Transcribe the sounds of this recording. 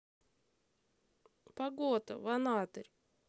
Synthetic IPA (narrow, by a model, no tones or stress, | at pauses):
pɐɡot̪ə̰vɐnat̪əɾʲ